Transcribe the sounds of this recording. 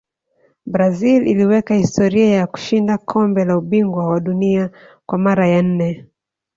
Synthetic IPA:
bɾazilḭliwɛkahistɔɾiajaku̥ʃindakʰɔmbɛlauɓiŋɡwawaɗunia | kwamaɾajan̩nɛ

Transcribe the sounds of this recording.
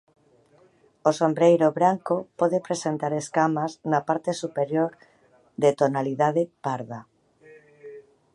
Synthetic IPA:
osombɾejɾoβɾaŋkopoðepɾesent̪aɾeskamaznapaɾt̪esupeɾjoɾ | ðet̪onaliðað̞epaɾða

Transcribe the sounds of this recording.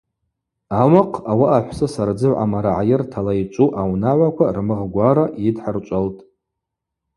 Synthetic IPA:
awaqʰawaʔaħʷsɨsaɾd͡zɨʕʕa̰maɾaʕajɪrtʰalajt͡ʃʷʼuʔawnaʕʷakʷʰarmɨʁɡʷaɾaʔidħart͡ʃʷʼaltʼ

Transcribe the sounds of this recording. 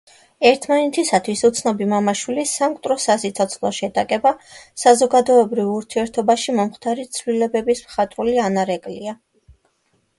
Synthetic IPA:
ɛɾt̪ʰmanɛt̪ʰisat̪ʰwisut̪sʰnɔbimamaʃwilisamkʼt̪ʼɾɔsasit̪sʰɔt̪sʰlˠɔʃɛd̪akʼɛbasazɔɡad̪ɔɛbɾivuɾt̪ʰiɛɾt̪ʰɔbaʃimɔmχt̪ʰaɾit̪sʰvlilɛbɛbismχat̪ʼɾulianaɾɛkʼlia

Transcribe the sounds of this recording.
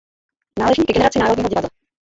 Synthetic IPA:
naːlɛʒɲiːkɡɛnɛɾat͡sɪnaːɾodɲiːɦoɟɪvad̪la

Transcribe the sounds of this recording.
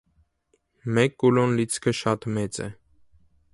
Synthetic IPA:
mɛkːulɔnlit͡sʰkʰəʃɑt̪mɛt͡sɛ̰

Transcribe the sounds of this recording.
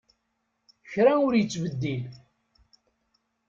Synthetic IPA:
çɾaʊɾjət͡sːvəd̪ːil

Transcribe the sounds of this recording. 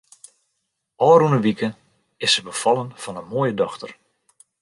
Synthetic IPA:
ɔːɾunəʋikə | ɪsəbəfɑlˠənv̥ɔnənmoːjədɔxtər

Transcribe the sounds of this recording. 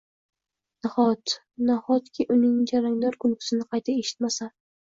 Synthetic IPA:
nahɒt̪ | nahɒt̪kʲʰɪʔʊnɪŋd͡ʒaɾaŋd̪ɒɾkʰʊlkʲʰʊ̥sɪnɪqʰɑjt̪ʰae̞ʃɪ̥t̪masa

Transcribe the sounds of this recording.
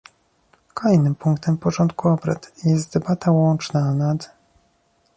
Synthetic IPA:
kɔɛjnɘmpuŋkt̪ɛmpɔʐɔnt̪kuɔbɾa̰t̪jɛst̪̚d̪ɛbat̪ʰawɔnt͡ʂnanad̪

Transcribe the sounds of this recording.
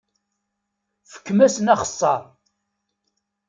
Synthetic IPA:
fə̥kːmæsənæχə̥sˤːɑɾˤ

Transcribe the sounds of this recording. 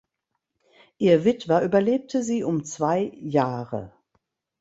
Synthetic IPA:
ʔiːɐvɪtv̥ɐʔyːbɐleːp̚tʰəziːʔʊmt͡sv̥aɪjaːʁə̰

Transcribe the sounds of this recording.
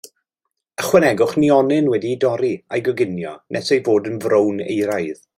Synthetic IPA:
əχwɛnɛɡʊχniɔnɨnwɛdidɔɾia̰jɡɔɡɪnjɔ̰nʔɛ̰sejvoːdənvrownḛjɾajð̥

